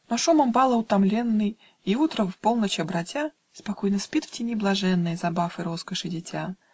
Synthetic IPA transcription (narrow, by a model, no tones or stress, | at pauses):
nɐʂuməmbalˠəʊt̪ɐmlʲenːɨj | iut̪ɾəvpolˠnət͡ɕɐbɾɐtʲa | spɐkojnəspʲit̪ftʲɪnʲiblˠɐʐɛnːɨjəzɐbafɨɾo̞skəʂɨdʲɪtʲa